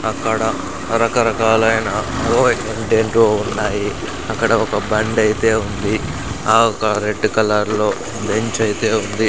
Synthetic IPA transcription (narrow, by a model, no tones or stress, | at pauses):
ɐkːɐɽɐ | ɾɐkɐɾɐkaːlɐjnɐoːeɳʈeɳʈʋoːunːaːji | ɐkːɐɽɐɔkɐbɐɳɖɐjit̪e̞ːund̪i | aːɔkɐɾe̞ɖːkɐlaːɾlo̞ː | be̞ɲt͡ʃɐjit̪e̞ːund̪i